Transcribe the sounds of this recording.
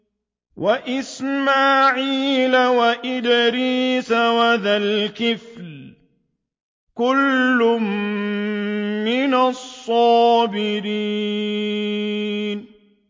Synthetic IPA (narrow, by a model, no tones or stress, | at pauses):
wʔaʔɪsmaːʕiːlawaʔɪd̪ɪɾiːsawaðalkɪfl | kʊlːʊm | ɪnasˤːɑːbɪɾiː | n